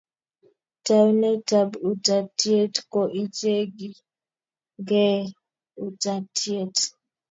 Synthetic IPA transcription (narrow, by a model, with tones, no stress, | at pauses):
ta˨˦nɛ˦ta˨bu˨ta˨ti˦e˦tkɔ˨ʔi˦t͡ʃe˦ɡi˨ | ɡɛ˦ | u˦˨ta˨tʰi˦e˦˨t